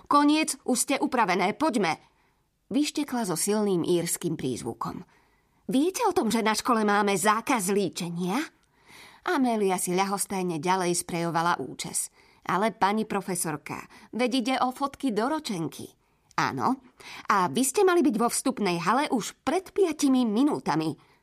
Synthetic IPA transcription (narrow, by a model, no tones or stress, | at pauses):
kɔɲɪɛd͡zʔuʃscɛʔupɾaʋɛnɛːpɔɟmɛ | ʋiʃcɛklazɔsilniːmʔiːɾskiːmpɾḭːzʋṵkɔ̰m | ʋɪɛcɛɔt̪ɔmʒɛnaʃkɔlɛmaːmɛzaːkazliːt͡ʃɛɲɪa | ʔamɛːliasiʎaɦɔst̪ajɲɛɟalɛjspɾɛjɔʋala̰ʔṵːt͡ʃa̰s | ʔa̰lɛpaɲipɾɔfɛsɔɾka̰ʋɛɟiɟɛʔɔfɔt̪kid̪ɔɾɔt͡ʃɛŋkʰḭ | a̰ːnɔ̰ | ʔaʋiscɛmalibiɟʋɔfst̪upnɛjɦalɛʔuʃpɾɛt̪pɪacimiminuːt̪ami